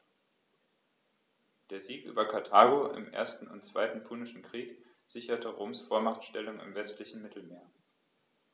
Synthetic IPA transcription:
d̥eːɐziːkʔy̰ːbɐkʰaɐtʰaːɡoʔɪ̰mʔḛːɐstn̩ʊ̰ntt͡sv̥aɪtn̩pʰunɪʃn̩kʁ̥iːk | z̥ɪçɐtʰəʁoːmsfoːɐmaχtʃtɛlʊŋɪ̰mvɛstlɪçn̩mɪtʰl̩meːɐ

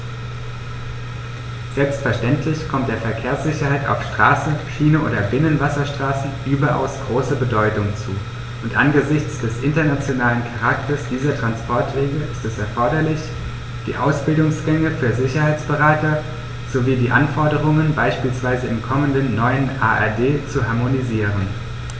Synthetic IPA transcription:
z̥ɛlpstfɛɐʃtɛntʰlɪçkʰɔmt̚d̥eːɐfɛɐkʰeːɐsz̥ɪçɐhaɪta̰ʊfʃtʁ̥aːsəʃiːnəʔoːdɐbɪnənvasɐʃtʁ̥aːsn̩ʔyːbɐʔa̰ʊsɡ̥ʁoːsəbədɔʏtʊŋt͡sṵː | ʔʊntʔanɡəzɪçt͡sd̥ɛsʔɪntɐnat͡sjonaːlənkʰaʁak̚tɐsd̥iːzɐtʁ̥anspʰɔɐtv̥eːɡəʔɪstɛsɛɐfɔɐɾɐlɪç | d̥ḭːʔa̰ʊsb̥ɪldʊŋsɡ̥ɛŋəfyːɐzɪçɐhaɪt͡sb̥əʁaːtɐ | z̥oviːdiːʔanfɔɐdəʁʊŋənbaɪʃpiːlsv̥aɪzəɪmkʰɔməndənːɔʏənʔa̰ːʔɛ̰ɐdeːt͡suɦaɐmoniziːʁən

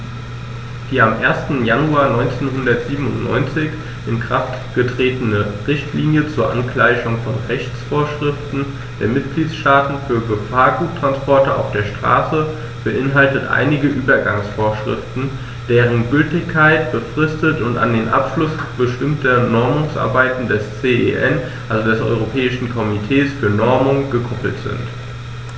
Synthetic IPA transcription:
d̥iːamʔeːɐstn̩januaːɐnɔʏnt͡seːnɦʊndɐtz̥iːbəm̩ʊ̰ntnɔ̰ʏnt͡sɪç | ʔɪnkʁ̥aft | ɡ̥ətʁ̥eːtənəʁɪçtliːnjət͡suːɐʔa̰nklaɪçʊŋfɔnʁɛçt͡sfoːɐʃʁ̥ɪftn̩ | d̥eːɐmɪtɡ̥liːt͡ssʃtaːtn̩fyːɐɡəfaːɐɡuːt̚tʁ̥anspʰɔɐtəʔa̰ʊfd̥eːɐʃtʁ̥a̰ːsə | b̥əʔɪnɦaltətʔa̰ɪnɪɡəʔyːbɐɡaŋsfoːɐʃʁ̥ɪ̰ftn̩ | d̥eːʁənɡʏltɪçkʰːaɪtb̥əfʁ̥ɪstətʊnta̰ndeːnʔa̰pʃlʊsb̥əʃtɪmtʰɐnɔɐmʊŋsʔa̰ɐbaɪtn̩dɛst͡seːʔḛːʔɛn | ʔalzodɛsʔɔ̰ʏʁopʰɛːɪʃn̩kʰɔmitʰɛːsfyːɐnɔɐmʊŋɡəkʰɔpl̩tz̥ɪ̰nt

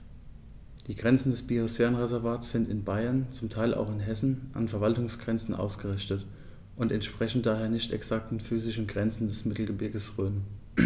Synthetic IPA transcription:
d̥iːɡʁɛnt͡sn̩dɛsb̥iosfɛːʁənʁezɛɐvaːtsz̥ɪntɪnbaɪɐnt͡sʊmtʰaɪlʔa̰ʊxɪnɦɛsn̩ʔa̰nfɛɐvaltʊŋsɡ̥ʁɛnt͡sn̩ʔa̰ʊsɡ̥əʁɪçtət | ʔʊntɛntʃpʁ̥ɛçn̩td̥aːɦeːɐnɪçtɛ̰ksak̚tn̩fyːzɪʃn̩ɡʁɛnt͡sn̩dɛsmɪtl̩ɡəbɪɐɡəsʁøːn

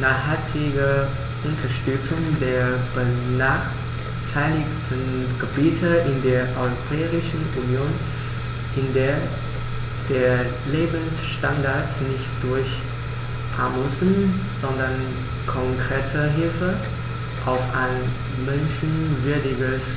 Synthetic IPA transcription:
naːχhaltʰɪɡə | ʔʊntʰɐʃtʏt͡sʊŋdeːɐb̥ənaːχ | tʰaɪlɪktʰənɡ̥əbiːtʰəʔɪndeːɐʔɔʏʁopʰɛːʁɪʃn̩ʔunjoːn | ʔɪndeːɐ | d̥eːɐ | leːbn̩sʃtandaɐtsnɪçtd̥ʊɐç | ʔa̰musnz̥ɔndɐn | kʰɔŋkʁ̥eːtʰəɦɪlfə | ʔaʊfa̰ɪn | mɛnʃn̩vʏɐdɪɡəs

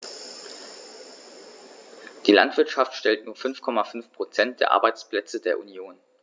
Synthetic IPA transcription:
d̥iːla̰ntv̥ɪɐtʃaftʃtɛltnuːɐfʏnfkʰɔmafʏnfpʁ̥ot͡sɛnt̚d̥eːɐʔa̰ɐbaɪt͡spl̥ɛt͡sədeːɐʔunjoːn

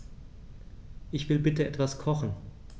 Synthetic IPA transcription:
ʔɪçv̥ɪlbɪtəʔɛtv̥askʰɔχn̩

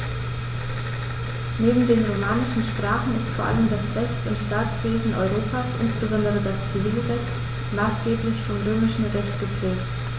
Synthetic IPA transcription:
neːbm̩deːnʁomaːnɪʃn̩ʃpʁ̥aːχn̩ɪstfoːɐʔa̰ləmdasʁɛçt͡sʊntʃtaːt͡sv̥eːzn̩ʔɔ̰ʏʁoːpʰaːsʔɪ̰nsb̥əzɔndəʁədast͡siviːlʁɛçt | maːsɡ̥eːplɪçfɔmʁøːmɪʃn̩ʁɛçtɡ̥əpʁ̥ɛːk̚t

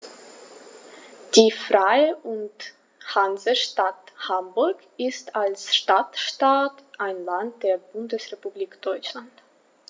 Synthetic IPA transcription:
d̥iːfʁaɪəʔʊnt | hanzəʃtathambʊɐk | ɪstalsʃtatʃtaːtʔaɪnlant̚d̥eːɐbʊndəsʁepubliːkd̥ɔʏt͡ʃlant

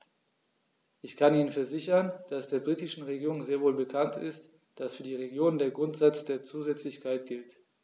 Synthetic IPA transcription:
ʔɪçkʰaniːnənfɛɐzɪçɐnd̥asd̥eːɐbʁiːtɪʃn̩ʁeɡiːʁʊŋzeːɐvoːlbəkʰantɪ̰st | d̥asfyːɐdiːʁ̞eɡjoːnəndeːɐɡʁʊntz̥at͡sd̥eːɐt͡suːzɛt͡slɪçkʰaɪtɡ̥ɪlt

